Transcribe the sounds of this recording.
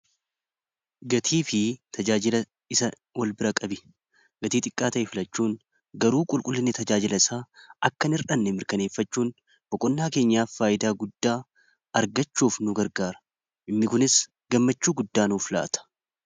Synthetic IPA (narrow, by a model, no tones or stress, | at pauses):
ɡɐt̪ʰiːfɪt̪ʰɐd͡ʒaːd͡ʒɪlɐ | ɪsɐ | wɐlbɪɾɐkʼɐbɪ | ɡɐt̪iːt̪ʼɪkʼːaːt̪ɐʔɛfɪlɐt͡ʃːuːn | ɡɐɾuːkʼʊlkʼʊlːɪnːɪt̪ɐd͡ʒaːd͡ʒɪlɐɪsaːɐkːɐnɪɾᶑɐnːɛmɪɾkɐne̞ːfːɐt͡ʃːuːn | b̥ɔkʼɔnːaːke̞ːɲːaːfːaːjɪd̪aːɡʊd̪ːaː | ɐɾɡɐt͡ʃːuːfnʊɡɐɾɡaːɾɐ̥ | ʔɪnːɪkʊnɪs | ɡ̥ɐmːɐt͡ʃːuːɡʊd̪ːaːnuːfla̰ːt̪ɐ̥